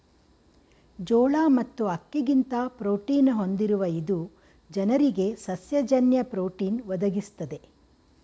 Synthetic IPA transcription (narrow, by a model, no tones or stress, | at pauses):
d͡ʒɔːɭaːmɐt̪ːuɐkːeɡint̪ɐpɾoːʈiːnɦo̞nd̪iɾuʋɐid̪u | d͡ʒɐnɐɾiɡe̞sɐsjɐd͡ʒɐnjɐpɾoːʈiːnʋɐd̪ɐɡist̪ɐd̪e̞